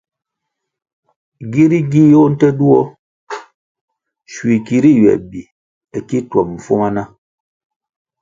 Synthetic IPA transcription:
ɡi˦ɾi˦ɡi˦jo˦n̩˦tɛ˦du˦ɔ˦ | ʃwi˨ki˨ɾi˦ɥɛ̰˨bi˨ | ɛ˨ki˦twa˨mm̩˨fo˦ma˦na˦

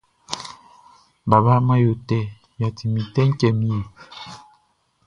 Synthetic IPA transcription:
ba˨ba˦ma˦jo˨tɛ˦˨ | ja˨ti˨mi˨tɛ˦ŋ̩˦kɛ˦˨mi˦je˨

